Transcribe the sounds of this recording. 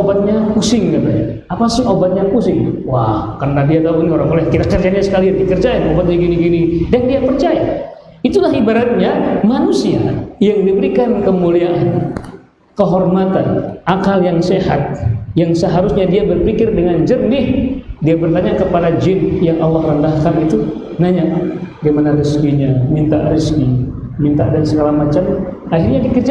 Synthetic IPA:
obat̪̚ɲakusɪŋkat̪a̰ | apasɪŋobat̪̚ɲakusɪŋwahkərnadiat̪auinioɾaŋolɛhkiɾak̚t͡ʃərd͡ʒanɲasə̥kalianikərd͡ʒaɪnobat̪̚ɲaɡiniɡinidandiapərt͡ʃaja | it̪ulahibaɾat̪̚ɲamanusia̰jaŋdipəɾikankəmuliaʔan | kəɦɔrmat̪anʔakaljaŋseɦa̰t̪̚jaŋsəɦaɾusɲadiabərpikɪrdəŋand͡ʒərmɪhdiabərt̪aɲakəpadad͡ʒɪnjaŋʔalːahrəndahkanit̪u | naɲaʔdimanariskiɲamint̪aʔriski | mint̪adansəɡalamat͡ʃam | aɦirɲadikərd͡ʒ

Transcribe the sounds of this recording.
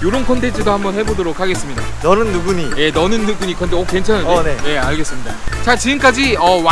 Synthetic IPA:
joɾonkʰʌnde̞d͡ʑidohambʌnhe̞bodoɾokʰaɡe̞s͈ɯmɲida̰nʌnɯnːuɡuɲije̞nʌnɯnːuɡuɲikʰʌndeokwe̞nt͡ɕʰannneje̞aɭɡe̞s͈ɯmɲidat͡ɕat͡ɕiɡɯmk͈ad͡ʑiʌw

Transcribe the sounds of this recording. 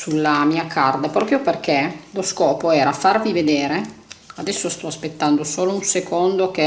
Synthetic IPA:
sulːamiːakʰard̪apɾɔːpɾjoperk̟eloskɔːpoɛːɾafarvived̪eːɾe | ad̪ɛsːost̪ɔaspet̪ːand̪osoːlounsekond̪ok̟e

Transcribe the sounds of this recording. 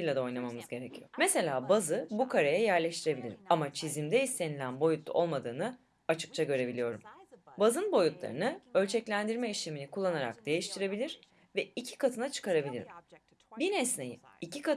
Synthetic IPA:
jlʲad̪ao̞jnˠamamɯzɟe̞ɾecʰijo̞̰mese̞lʲaːbazɯbukʰaɾajajæɾlʲeʃt̪ʰiɾe̞bilʲiɾimamat͡ʃʰizimd̪ɛist̪ʰe̞nilʲænbo̞jut̪lːˠṵʔo̞lˠmad̪ɯːnɯ | at͡ʃʰɯ̥k̚t͡ʃʰaɟø̞ɾe̞bilʲijo̞ɾumbazɯnbo̞jut̪lˠa̰ɾɯnɯø̞lʲt͡ʃʰɛclʲænd̪iɾmɛiʃleminikʰulˠːanaɾa̰kd̪e̞jiʃt̪ʰiɾe̞bilʲiɾ̥ | vɛicʰi̥kʰat̪ʰɯnat͡ʃʰɯ̥kaɾabilʲḭɾḭm | binɛsnejimicʰika

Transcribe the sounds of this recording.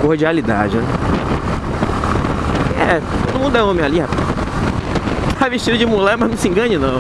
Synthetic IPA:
kohd͡ʒialid̪a̰d͡ʒɪnɛ | ɛt̪od̪ʊmũd̪ʊɛ̃õmẽj̃alihapas | t̪aveʃt͡ʃid̪ɐd͡ʒɪmulɛmɐznɐ̃w̃sɪĩŋɡɐ̃d͡ʒɪnɐ̃w̃

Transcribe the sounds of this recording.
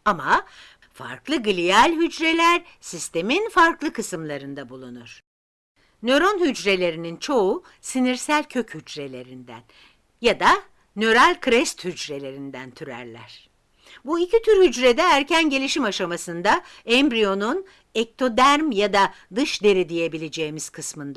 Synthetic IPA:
ama | fa̰ɾklˠɯɡɯlʲijalʲɦyd͡ʒɾe̞lʲæɾsist̪ʰe̞minfaɾklˠɯkɯsɯmlˠaɾɯnd̪abulˠunuɾ̥ | nø̞ɾo̞nɦyd͡ʒɾe̞lʲe̞ɾinint͡ʃʰo̞u | siniɾsælʲcʰø̞chyd͡ʒɾe̞lʲe̞ɾind̪æ̰n | jad̪a | nø̞ɾalʲkʰɾɛst̪hyd͡ʒɾe̞lʲe̞ɾind̪ænt̪ʰyɾæ̰ɾlʲæ̰ɾ̝̥ | buicʰit̪ʰyɾhyd͡ʒɾed̪ɛæɾcʰænɟe̞lʲiʃimaʃamasɯnd̪aɛmbɾijo̞nun | ɛk̚t̪ʰo̞d̪æɾmjad̪a | d̪ɯʃd̪e̞ɾid̪ije̞bilʲe̞d͡ʒe̞ːmiz̥kʰɯsmɯnd̪a

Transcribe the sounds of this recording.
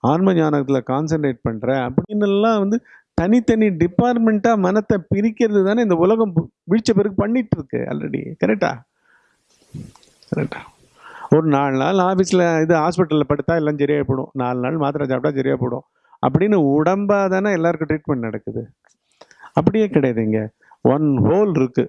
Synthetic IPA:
aːnmɐɲaːnɐɣɐt̪ːɪlɐkaːns̬ɐɳʈɾeːʈ̚pɐɳːɾɛ̃ɐpːɐɽɪnːɛlːãːʋɐnd̪ɯ | t̪ɐnɪt̪ɐniɖɪpːaːɾʈmɛɳʈaːmɐnɐt̪ːɛpɪɾɪkːɪɾɐðɯt̪aːnɪnd̪ɐʊlɐɣɐ̃m | ʋɪɻt͡ʃːɐpɛɾɯkɯpɐɳːɪʈːɾɯkːɯ̰ɐ̰lɾɛ̰ɽḭkɐɾɛk̚ʈːa̰ː | kɐɾɛ̰k̚ʈːaː | ɔɾɯnaːɭna̰ːlaːfiːsɪlɪðɯɦaːspɪʈːɐlɪɐpɐɽɯt̪ːãːɛlːaːd͡ʒɛɾɪjaːpoːɽõ̰naːɭnaːlmaːt̪ɯɾaːd͡ʒaːpːɽãːd͡ʒɛɾɪja̰ːpoːɽõ̰ː | ɐ̰p̬ːɐɽɪnːɯʊɽɐmbaːðaːnaːɛlːaːɾɯkːʊ̃ʈɾiːʈmɛɳʈnɐɽɐkːɯðɯ | ɐp̬ːɐɽɪjeːkɪɽɐjaːðiŋɡɐ | ʔɐnɦoːlɪɾɯkːɯ

